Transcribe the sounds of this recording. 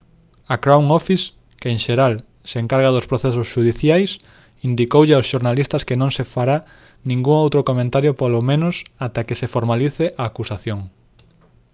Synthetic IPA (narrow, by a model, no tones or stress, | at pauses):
akɾawŋɔfis | keeŋʃeɾal | seeŋkaɾɣaðospɾoθesosʃuðiθjajs | ind̪ikowʎeaosʃoɾnalist̪ɐskenõŋsefaɾa | nĩŋɡuŋowt̪ɾokomẽnt̪aɾjopolomẽnʊsat̪akesefoɾmaliθeʔaːkusaθjoŋ